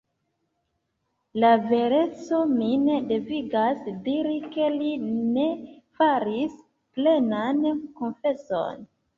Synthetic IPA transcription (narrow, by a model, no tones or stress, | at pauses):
lave̞ɾe̞t͡so̞mine̞de̞viɡasdiɾike̞line̞faɾis | ple̞nanko̞nfe̞so̞̰n